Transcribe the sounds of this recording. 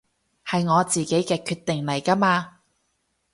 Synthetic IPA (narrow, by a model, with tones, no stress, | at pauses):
hɐ˨jŋɔː˨˧t͡siː˨ke˨˥jkɛː˧kʰyː˧t̪ːɪ˨ŋlɐ˨˩jkɐ˥maː˧